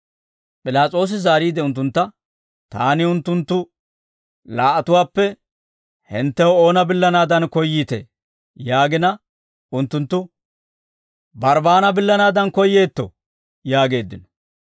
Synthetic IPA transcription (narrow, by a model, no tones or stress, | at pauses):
pʼɪlaːt͡sʼo̞ːs̬ɪzaːɾiːd̪ɛʊnt̪̬ːʊnt̪ːɐ | t̪a̰ːnɪʊnt̪ːʊnt̪ːʊ | laːʔɐt̪ʊwaːpːɛ | hɪnt̪ːɛwo̞ːnɐbɪlːɐnaːd̪ɐnkɔjːiːt̪ḛ | jaːɡɪnɐ | ʊnt̪ːʊnt̪ːʊ | bɐɾbaːnɐbɪlːɐnaːd̪ɐnkɔjːe̞ːt̪ːɔ̰ | jaːɡe̞ːd̪ːɪnɔ̥